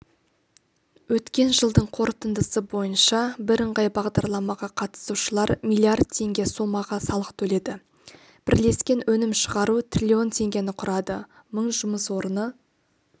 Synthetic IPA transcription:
wɵt̪kʲe̞nʒəlˠd̪əɴqʰo̞ɾət̪ənd̪əsəbo̞jənʃɑbɪɾəɴʁɑjbɑʁd̪ɑɾlˠɑmɑʁɑqʰɑt̪ə̥suʃəlˠɑɾmijlˠiard̪̚t̪ʰe̞ŋɡʲe̞so̞mːɑʁɑsɑlˠəqt̪ʰɵle̞d̪ɪ | b̥ɪɾle̞skʲe̞nwɵnɪmʃəʁɑɾut̪rʲilʲio̞nt̪ʰe̞ŋɡʲe̞nɪqʰʊɾɑd̪ə | məɴʒʊməswo̞ɾənə

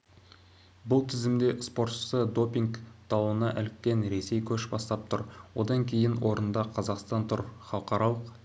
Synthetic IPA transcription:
bʊlˠt̪ʰɪzɪmd̪e̞spo̞ɾt̪ʃə̥səd̪o̞pʲiŋɡt̪ʰɑwənɑʔælɪkʲːe̞nɾe̞se̞jkʲʰɵʃbɑst̪ɑp̚t̪ʰʊɾwo̞d̪ɑŋkʲʰe̞jɪnwʔo̞ɾənd̪ɑqʰɑzɑqst̪ɑnt̪ʰʊɾχɑlˠqɑɾɑlˠəq

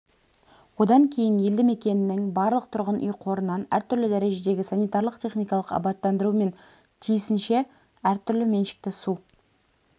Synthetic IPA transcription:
wo̞d̪ɑŋkʲʰe̞jɪnje̞ld̪ɪme̞kʲe̞nɪnɪŋbɑɾlˠəq̚t̪ʰʊɾʁənʔʏ̰jqʰo̞ɾənːɑnæ̰ɾt̪ʰʏɾlɪd̪æɾe̞ʒe̞d̪e̞ɡʲɪsɑnijt̪ɑɾlˠəqt̪ʲʰe̞χnijkɑlˠəqɑ̰bɑt̪ːɑnd̪əɾume̞n | t̪ʰijɪsɪnʃe̞ | æɾt̪ʰʏɾlɪme̞nʃɪ̥k̚t̪ɪsu

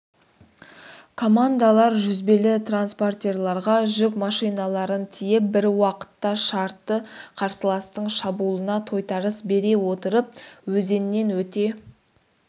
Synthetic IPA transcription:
kʰo̞mand̪alˠɑɾʒʏzbelɪt̪ranspo̞rt̪ʲe̞rlˠɑɾʁɑʒʏkmɑʃijnɑlˠɑɾənt̪ʰijɪp̚bɪɾwɑqə̥t̪ːɑʃɑɾt̪ːəqʰɑɾsəlˠɑst̪əɴʃɑbulˠənɑt̪ʰo̞jt̪ɑɾəsbe̞ɾe̞wo̞t̪əɾəp̚wɵze̞nɪne̞nwɵt̪e̞

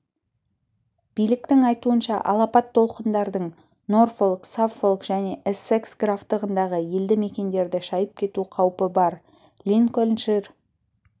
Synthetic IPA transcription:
b̥ijlɪk̚t̪ɪŋɑjt̪uənʃɑ̰ʔɑ̰lˠɑpɑt̪ʰːo̞lˠqənd̪ɑɾd̪əɴ | no̞rfolˠksafolˠkʒ̥æne̞ʔɪse̞ksɡraft̪əʁənd̪ɑʁəje̞ld̪ɪme̞kʲe̞nd̪e̞ɾd̪ɪʃɑjəp̚kʲʰe̞t̪uqʰɑwpəbɑɾ | lʲinkolʲnʃir

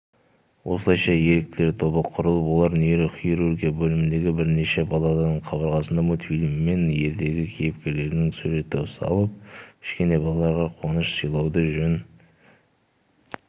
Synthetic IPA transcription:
wʔo̞səlˠɑjʃɑje̞ɾek̚t̪ɪlet̪ʰo̞bəqʰʊɾəlˠəpwo̞lˠɑɾnieɾɪχieɾurɡʲijabɵlɪmɪnd̪e̞ɡʲɪbɪɾne̞ʃe̞bɑlˠɑd̪ɑnəɴqʰɑβəɾʁɑsənd̪ɑmot̪filʲimːe̞nje̞ɾd̪e̞ɡʲɪkʲʰejp̚kʲe̞ɾle̞ɾɪnɪŋsʉɾe̞t̪ɪʊsɑ̰lˠəp̚kʰɪ̥ʃkʲe̞ne̞bɑlˠɑlˠɑɾʁɑqʰwo̞nəʃsəjlˠɑwd̪əʒɵn

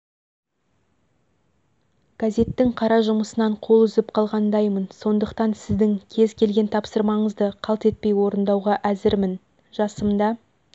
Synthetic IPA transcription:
ɡ̥azʲe̞t̪ːɪŋqʰɑɾɑʒʊməsənɑɴqʰo̞lˠʏzɪp̚qʰɑlˠʁɑnd̪ɑjmənso̞nd̪əqt̪ɑnsɪzd̪ɪŋkʲʰe̞zkʲʰe̞lɡʲe̞nt̪ʰɑpsəɾmɑɴəzd̪əqʰɑlˠt̪e̞t̪̚pe̞jwo̞ɾənd̪ɑwʁɑʔæzɪɾmɪn | ʒ̥ɑsəmd̪ɑ

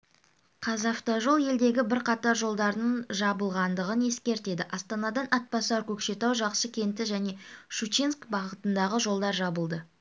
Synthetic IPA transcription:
qʰɑzɑft̪oʒo̞lˠje̞ld̪e̞ɡʲɪbɪɾqʰɑt̪ɑɾʒo̞lˠd̪ɑɾnəɴʒɑbəlˠʁɑnd̪əʁəne̞skʲe̞ɾt̪e̞d̪ɪʔɑst̪ɑnɑd̪ɑnʔɑt̪̚pɑsɑɾkʲʰɵkʃe̞t̪ɑwʒɑqsəkʲʰe̞nt̪ɪʒæne̞ʃut͡ʃinskbɑʁət̪ənd̪ɑʁəʒo̞lˠd̪ɑɾʒɑbəlˠd̪ə

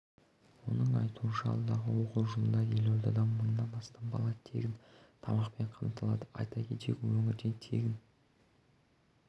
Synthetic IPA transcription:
wo̞̰nəɴɑjt̪uənʃɑɑ̰lˠd̪ɑʁəwo̞quwʒʊmənd̪ɑje̞lolˠd̪ɑd̪ɑnmənːɑnɑst̪ɑnbɑ̰lˠɑt̪ʰe̞̰ɡʲɪnt̪ʰɑmɑqpe̞ɴqʰɑmt̪ʰɑlˠɑd̪əʔɑ̰jt̪ɑkʲet̪e̞̰kʲwɵŋʲɪɾd̪e̞nt̪ʰe̞̰ɡʲɪn

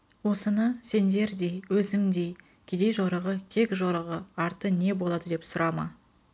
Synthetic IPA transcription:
wo̞sənəse̞nd̪e̞ɾd̪e̞jwɵzɪmd̪e̞j | kʲʰed̪e̞jʒoɾəʁəkʲʰe̞kʲʒoɾəʁəɑɾt̪əne̞bo̞lˠɑd̪əd̪e̞psʊɾʔɑmɑ

